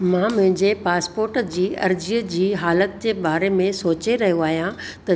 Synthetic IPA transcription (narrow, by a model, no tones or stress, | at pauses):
mãːmʊ̃ɦɪ̃ɲd͡ʑepaːspoːɾʈd͡ʑiːɐ̰ɾd͡ʑiːəd͡ʑiːɦaːlət̪̚d͡ʑeːbaːɾemẽsoːt͡ɕeɾɐɦijoaːɦijãt̪ɐ